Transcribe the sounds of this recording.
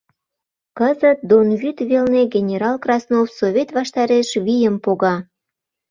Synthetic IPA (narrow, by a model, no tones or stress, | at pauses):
kəzət̪̚d̪onɣyt̪βelneɡenʲeɾɑlkrɑsnofsoβʲet̪βɑʃt̪ɑɾeʃβijəmpoɣɑ